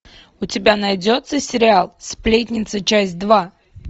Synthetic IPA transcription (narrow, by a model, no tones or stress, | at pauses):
ʊtʲɪbʲanɐjdʲot̪səsʲɪɾʲɪalˠsʲplʲet̬ʲnʲɪt̪sət͡ɕæsʲt̚ʲd̪va